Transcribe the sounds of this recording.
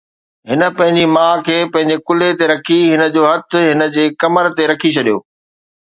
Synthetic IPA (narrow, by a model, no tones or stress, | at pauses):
ɦɪnə̆pɐ̃ɦɪ̃ɲd͡ʑimãːkʰeːpɐ̃ɦɪ̃ɲ̆d͡ʑekʊlet̪eɾɐkʰiɦɪnə̆d͡ʑoːɦɐt̪̆ʰɦɪnə̆d͡ʑeːkɐməɾt̪eɾɐkʰit͡ɕʰɐɗijo̰ː